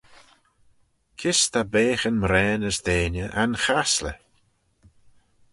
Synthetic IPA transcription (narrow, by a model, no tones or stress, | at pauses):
kʰɪst̪abeːxənmɾɛːnəsd̪eːnjəʔanxaslə̰